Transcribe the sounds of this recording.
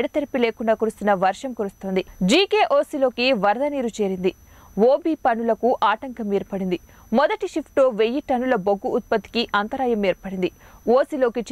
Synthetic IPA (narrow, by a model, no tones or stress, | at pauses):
ɽɐt̪eɾipileːkuɳɖaːkuɾust̪unːɐʋɐɾʂɐmkuɾust̪oːnd̪id͡ʒiːkeːʔoːsilo̞ːkiʋɐɾd̪ɐniːɾut͡ʃe̞ːɾind̪i | ʋoːbiːpɐnulɐkuʔaːʈɐŋkɐmeːɾpɐɽind̪i | mɔd̪ɐʈiʃipʰʈloːʋejːiʈɐnulɐboɡːuːt̪̚pɐt̪ːi̥kiʔɐnt̪ɐɾaːjɐmeːɾpɐɽind̪ioːsilo̞ːkit͡ʃ